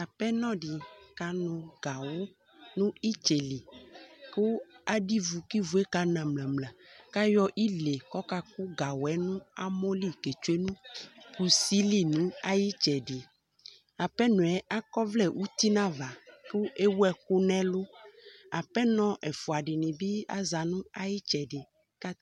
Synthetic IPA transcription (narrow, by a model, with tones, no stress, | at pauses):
a˨pɛ˦nɔ̃˦ɖi˨ka˨nũ˨ɡa˨wo˦ | nũ˦i˦t͡ʃe˨li˨ku˦a˨ɖi˦vu˨ki˦vu˨˦e˦ka˦nã˨mlã˨mlɛ̃˨ka˦jɔ˦ʔi˦le˨kɔ˦ka˦ku˦ɡa˨wɛ˦nũ˦a˦mɔ̃˦li˦ke˨t͡ʃu˦e˦nũ˦ku˦si˦li˦nũ˦a˦ji˦t͡ʃɛ˨ɖi˨ | a˨pɛ˦nũ˨ɛ˨a˦kɔ˦vlɛ˦wʔu˦t̪i˦nã˦va˨ku˦ʔe˦wu˦ɛ˦ku˦nɛ̃˦lo˦a˨pɛ˦nɔ̃˦ʔɛ˨fu˨a˨ɖɪ˨nĩ˨bi˦a̰˦za˨nũ˦a˦ji˦t͡ʃɛ˨ɖɪ˨ | ka˦